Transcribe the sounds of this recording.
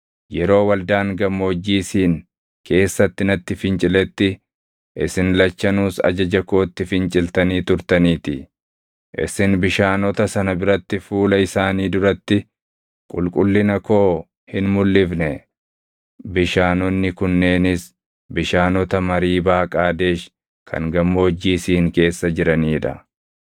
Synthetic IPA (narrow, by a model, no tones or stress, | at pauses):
jɛɾo̞ːwɐld̪aːŋɡɐmːo̞ːd͡ʒːiːsiːŋ | kʰe̞ːsːɐt̪ːɪnɐt̪ːɪfɪnt͡ʃʼɪlɛt̪ːɪ | ʔɪ̰sɪnlɐt͡ʃːɐnuːsɐ̰d͡ʒɐd͡ʒɐkoːt̪ːɪfɪnt͡ʃʼɪlt̪ɐniːt̪ʊɾt̪ɐniːt̪ɪ | ʔɪ̰sɪnbɪʃaːnɔt̪ɐsɐnɐbɪɾɐt̪ːɪfuːlɐɪsaːniːd̪ʊɾɐt̪ːɪ | kʼʊ̰lkʼʊlːɪnɐkoː | hɪnmʊlːɪfnɛ | bɪʃaːnɔnːɪkʊnːe̞ːnɪs | bɪʃaːnɔt̪ɐmɐɾiːbaːkʼaːd̪e̞ːʃ | kʰɐ̰ŋɡɐmːoːd͡ʒːiːsiːŋke̞ːsːɐd͡ʒɪɾɐniːᶑɐ̰